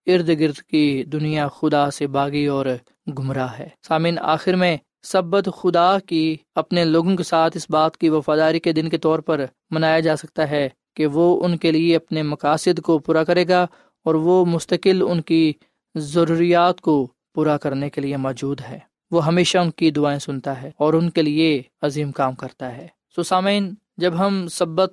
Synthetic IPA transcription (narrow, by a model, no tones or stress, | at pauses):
ɪɾd̪ɡɪɾd̪kid̪ʊnijaxʊd̪asebaːɡiɔːɾ | ɡʱʊmɾaɦɛːsaːmĩːna̰ːxɪɾmẽ | sɐbət̪xʊd̪akiɐpneloːɡõkesaːt̪ʰɪsbaːt̪kiʋɐfaːd̪aːɾiked̪ɪnket̪ɔːɾpɐɾ | mɐnaːjad͡ʒaːsɐk̚t̪aɦɛ | keʋoʊnkelieɐpnemɐkaːsɪd̪kopuːɾakɐɾeːɡa | ɔːɾʋomʊst̪əkɪlʊnki | zɐɾuːɾijaːt̪ko | puːɾakɐɾnekeliemɔːd͡ʒuːd̪ɦɛː | ʋoɦɐmeːʃaʊnkid̪ʊaːẽsʊnt̪aɦɛːɔːɾʊnkelieɐziːmkaːmkɐɾt̪aɦɛː | soːsaːmiːn | d͡ʒɐbɦɐmsɐbːət̪̚